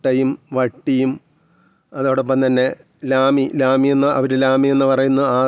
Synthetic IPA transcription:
ʈːɐjumʋɐʈːijum | ɐðoːɽop̬ːɐmt̪ɐnːe̞ | laːmilaːmienːɨʔɐ̰ʋɐɾulaːmie̞nːɨpɐrɐjunːɐaː

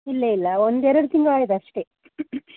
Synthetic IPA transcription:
ilːɐilːɐond̪ɛɾɐɽut̪iŋɡaːjid̪ɐʂʈe

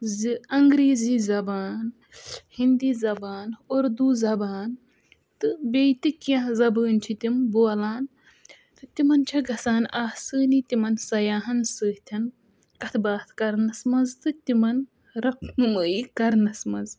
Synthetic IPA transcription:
zɨɐŋɡɾeːzizɐbaːn | hind̪iːzɐbaːnoɾd̪uːzɐbaːn | t̪ɨbeːjt̪ikjɐ̃zɐbəːnt͡ʃʰit̪imboːɐlaːn | t̪ɨt̪imɐnt͡ʃʰɐɡɐsaːnaːsɨːnit̪ʲimɐnsɐjaːɦɐnsɨːht̪ʲʰɐn | kɐt̪ʰbaːt̪ʰkɐɾnɐsmɐnzt̪ɨt̪ʲimɐn | ɾɐpnɨməːikɐɾnɐsmɐ̰z

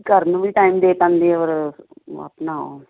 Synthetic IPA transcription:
kəɾnũːʋiːʈaːiːmd̪eːpãːnd̪eːoːɾa̰pnaːo̰

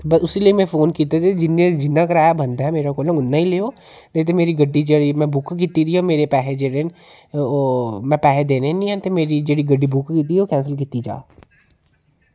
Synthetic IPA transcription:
bəsʊsiːləiːmɛ̃ːpʰoːnkiːt̪at̪ed͡ʒɪnːẽd͡ʒɪnːãːkəɾaːaːbənd̪aɦɛːmeːɾaːkoːlãʊnːãːiːleːoː | t̪et̪̬eːmeːɾiːɡəɖːiːd͡ʒeːɽiːmɛ̃ːbʊkkiːt̪iːd̪iːoːmeːɾeːpɛːɦeːd͡ʒeːɾen | oːmɛ̃ːpɛːɦed̪eːneːnĩːɛ̃ːt̪eːmeːɾiːd͡ʒeːɽiːɡəɖːiːbʊkkiːt̪iːɦɛoːkɛ̃ːnsəlk̬iːt̪iːd͡ʒa̰ː

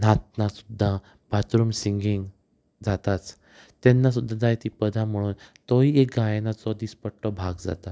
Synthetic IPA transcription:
nat̪̚nasu̥d̪ʱːa | b̥ʱat̪ɾumsiŋɡiŋɡ | d͡zat̪at͡s | t̪ɛnːas̬ud̪ʱːad͡zʱːaet̪ipəd̪ʱam̤əɽuːnt̪ɔɦiek̚ɡajenat͡sɔd̪ispəɽʈɔbʱaɡd͡za̰t̪a

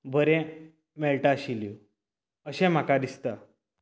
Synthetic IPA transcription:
bʱəɾɛ̃ | mɛɭʈaɕiljo | əɕɛ̃m̤akad̪ist̪a

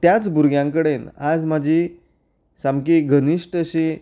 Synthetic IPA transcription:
t̪jat͡sbuɾɡjãŋkəɽenad͡zmad͡ʑʱi | samkiɡʱəniʂʈəɕi

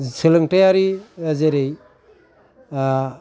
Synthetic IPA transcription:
sɯlɯŋtajaɾizeɾej

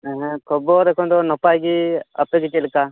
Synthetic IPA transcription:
ɛɦɛ̃kʰɔbɔd̪ɛkʰɔnd̪ɔnɔpajɡia̰pɛɡit͡ʃɛlka

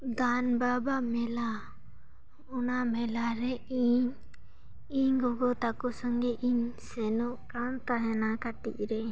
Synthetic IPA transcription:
d̪anbabamɛla | ɔnamɛlaɾɛiɲ | iɲɡɔɡɔt̪akɔsaŋɡɛʔiɲsɛnɔʔkant̪aɦɛnakaʈḭc̚ɾɛ

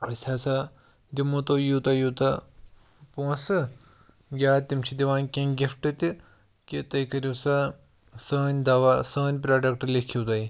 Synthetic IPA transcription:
ɐsʲʰasa | d̪imut̪oːjuːt̪ɐjuːt̪ɐ | põːsɨ | ɡʲaːt̪imt͡ʃʰid̪iʋaːnkʲẽnɡʲifʈɨt̪i | kit̪ɐjkɐɾisa | səːnʲd̪ɐʋasəːnʲp̬ɾaːɖɐkʈlekʰiwt̪ɐj

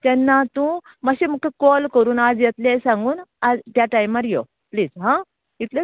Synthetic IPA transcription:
t̪ɛnːat̪ũ | maɕem̤ukəkolkəɾuːnad͡zjet̪lesãŋɡuːnad͡zt̪jaʈaimaɾjo | pliːzɦã | it̪le

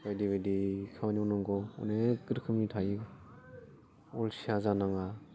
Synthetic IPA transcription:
bajdibajdikʰamaniɔnɔŋɡɔɔ̰nekɯɾkʰɯmitʰai | ɔlsiazanaŋa

